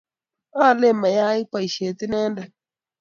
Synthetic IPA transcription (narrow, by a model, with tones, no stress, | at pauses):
aː˦˨le˦˨mːa˨ja˦i˦k͡pa˨i˨ʃe˨t̪i˦nɛ˦nda˦